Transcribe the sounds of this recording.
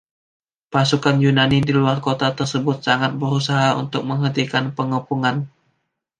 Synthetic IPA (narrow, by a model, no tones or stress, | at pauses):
pasukanjunanidiluarkot̪at̪ərsəbʊt̪̚saŋat̪̚bəɾusaɦaṵnt̪ʊk̚məŋɦənt̪ikanpəŋəpuŋan